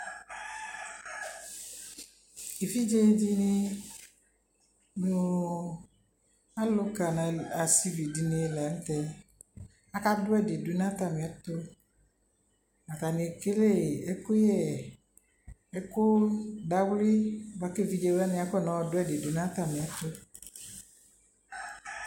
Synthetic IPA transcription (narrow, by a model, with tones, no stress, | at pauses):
e˨fi˦d͡ʒe˦di˦nɪ˦ | nʊ˨ | a˦lʊ˦ka˨na˨a˨si˦vi˨di˨ne˨˦˨lɛ˨˦n̩˦tɛ˦ | a˦ka˦dʊ˦ɛ˦dɪ˨du˨n˦ã˦t̪a˨mɪ˨ɛ˦t̪ʊ˦ | na˨t̪a˨nɪ˨e˨ke˦le˦˨ɛ˦kʊ˦jɛ˦˨ | ɛ˦kʊ˦da˨wli˦˨ba˦ke˦˨vi˦d͡ʒe˦wɛ˦nɪ̃˦a˦kɔ˦˨nɔ˨wɔ˨dʊ˦ɛ˦˨dɪ˨du˨n˦ã˦t̪a˨mɪ̃˨ɛ˦t̪ʊ˦